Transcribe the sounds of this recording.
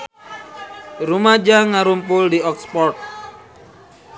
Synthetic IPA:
rumad͡ʒaŋaɾumpʊldiɔkspɔrt̪̚

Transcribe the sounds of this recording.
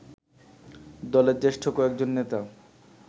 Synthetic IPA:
d̪ɔleɾd͡ʑeʃʈʰokoɛk̚d͡ʑonːet̪a

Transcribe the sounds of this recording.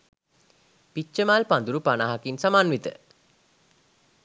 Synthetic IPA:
pit͡ʃʃəmaːlpand̪uɾupanaɦakinsamanʋit̪ə̰

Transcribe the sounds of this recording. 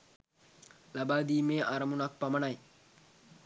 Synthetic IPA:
lɐbaːd̪iːmeːʔɐɾɐmunak̚pɐmɐɳaj

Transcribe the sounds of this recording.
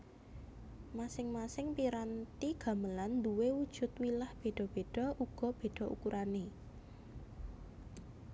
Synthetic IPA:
masɪŋmasɪŋpiɾant̪iɡ̥a̤məland̪uwewud̥ʒ̥ʊ̤t̪wilahb̥e̤ɖ̥ɔ̤b̥e̤ɖ̥ɔ̤ʔuɡ̥ɔ̤b̥e̤ɖ̥ɔ̤ʔṵkuɾʔane

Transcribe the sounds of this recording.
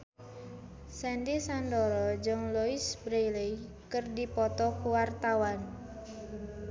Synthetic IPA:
sɛnd̪isand̪ɔɾɔd͡ʒɔŋluisbɾejlej | kərdipɔt̪ɔkuwart̪awan

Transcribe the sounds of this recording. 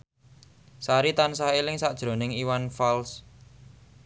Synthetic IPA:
saɾit̪ansaelɪŋsad̥ʒ̥ɾo̤nɪŋiwanfals

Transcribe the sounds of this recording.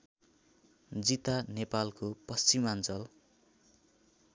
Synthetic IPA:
d͡zit̪anepalkopʌst͡simant͡sʌl

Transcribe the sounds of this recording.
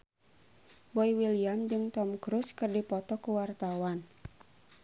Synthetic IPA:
bɔiwiliamd͡ʒɨŋt̪ɔmkɾuskɨrdipɔt̪ɔkuwart̪awan

